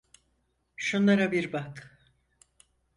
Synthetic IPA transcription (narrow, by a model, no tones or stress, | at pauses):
ʃunlˠaɾabiɾbak